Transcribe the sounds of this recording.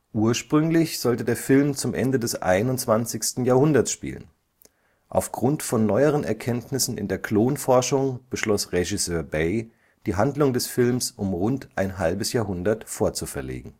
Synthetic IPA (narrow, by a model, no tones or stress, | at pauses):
ʔuːɐʃpʁ̥ʏŋlɪçz̥ɔltədeːɐfɪlmt͡sʊmʔɛ̰ndədɛsʔa̰ɪnʊnt͡sv̥ant͡sɪçstn̩jaːɐhʊndɐsʃpḭːlə̰n | ʔa̰ʊfɡ̥ʁʊntfɔnːɔʏəʁ̞ənɛɐkʰɛntnɪsn̩ɪ̰ndeːɐkloːnfɔɐʃʊŋb̥əʃlɔsʁeʒɪsøːɐbeɪ | d̥iːɦandlʊŋdɛsfɪlmsʔʊmʁʊntʔaɪnɦalbəsjaːɦʊndɐtfoːɐt͡sufɛɐlḛːɡŋ̩